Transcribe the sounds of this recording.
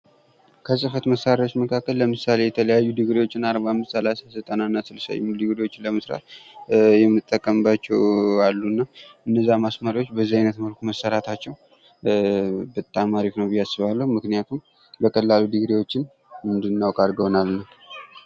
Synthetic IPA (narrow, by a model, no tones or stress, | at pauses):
kʰəsʼɨfət̪məsːaɾjawot͡ʃːməkʰakːəlːəmɨsale̞jɛt̪ʰələjajːud̪ɨɡɾiwo̞t͡ʃːɪnaɾbahamːɨst̪səlasazət̪ʼənanːasɨləsa̰jɛ̰mɨud̪ɨɡɾiwo̞t͡ʃːɪnləməsɾa̰t̪ | jɛmɨɨt̪ʼːəkʼːəmbat͡ʃːɛwalːuɨnːaʔɨnːəzːamasməɾiwo̞t͡ʃːbəzːihajnət̪məlkʰuməsːəɾat̪ʰat͡ʃːɛw | bət̪ʼːamaɾiknəwbɨjːasːɨβalːəhumɨknijat̪ʰum | bəkʰʼəlːalud̪ɨɡɾiwo̞t͡ʃːɪn | mɨnd̪ɨnːawkʼaɾɡəwnalːəh